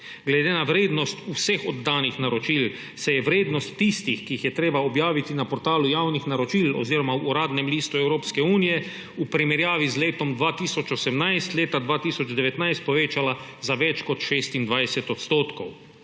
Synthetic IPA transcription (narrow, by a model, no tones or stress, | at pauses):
ɡlɛd̪enaʋɾeːd̪nɔst̪usɛxɔd̪ːaːnixnaɾɔt͡ʃiːl | sɛjɛʋɾeːd̪nɔst̪ːist̪ixkiixjɛt̪ɾeːbaɔbjaːʋit̪inapɔɾt̪aːlujawnixnaɾɔt͡ʃilɔ̰ziːɾɔmauːɾaːd̪nɛmliːst̪uɛwɾoːpskɛuːnijɛ | upɾimɛɾjaːʋizleːt̪ɔmd̪ʋaːt̪iːsɔt͡ʃɔsɛmnajst̪leːt̪ad̪ʋaːt̪iːsɔd͡ʒd̪ɛʋɛt̪najst̪̚pɔʋeːt͡ʃalazaʋɛt͡ʃkɔt̪ʃeːst̪ind̪ʋajsɛt̪ɔt̪st̪oːt̪kɔw